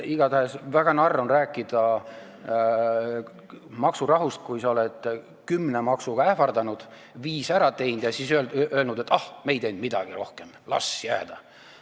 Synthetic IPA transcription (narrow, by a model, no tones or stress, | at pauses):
iɡ̥ɑt̪æhesvæɡ̥ɑnɑrːo̞nræːkːˑid̪̥ɑ | mɑksurɑɦust̪̚kujsɑo̞led̪̥ | kymːnemɑksuɡ̥ɑæhfɑrd̪ɑnud̪̥ | viːsæɾɑt̪e̞jnd̪̥jɑsisølølnud̪̥et̪ːɑhme̞jd̪e̞nd̪̚mid̪̥ɑɡ̥iro̞hke̞m | lɑ̰sjæ̰ːd̪̥ɑ